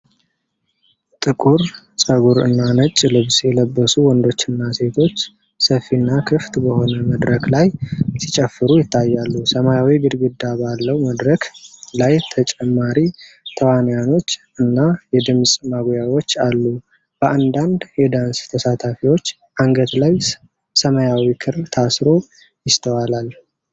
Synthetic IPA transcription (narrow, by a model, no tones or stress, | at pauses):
t̪ʼɨkʼuɾ | sʼəɡuɾɨ̰nːanət͡ʃʼːlɨβsjɛləbːəsuwɔnd̪o̞t͡ʃːɨnːase̞t̪ʰo̞t͡ʃː | səfːinːakʰɨft̪bəho̞nəməd̪ɾəklajsi̥t͡ʃʼɛfːɨɾujɪt̪ʰːajːalːusəmajawibɨd̪ɡɨd̪ːabalːəwməd̪ɾəklajt̪ʰət͡ʃʼɛmːaɾit̪ʰəwanjano̞t͡ʃː | ɨnːajɛd̪ɨmsʼmaɡjawo̞t͡ʃːalːu | b̥əʔand̪and̪jɛd̪anst̪ʰəsat̪ʰafiwo̞t͡ʃː | ʔaŋɡət̪laj | səməjawikʰɨɾt̪ʰasɾo̞ | jɪst̪ʰəwalal